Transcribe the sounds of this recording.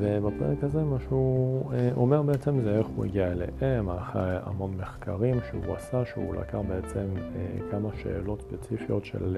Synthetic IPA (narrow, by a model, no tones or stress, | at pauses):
vebapḛʁekazemaʃeu | ome̞ʁbeet͡semzeeχuḭɡiaelḛʔemaχea̰mo̞nmeχkʰaʁimʃḛṵa̰saʃeṵlʔa̰kaχbeet͡semekamaʃe̞̰ːlo̞tspet͡sifijo̞tʃḛl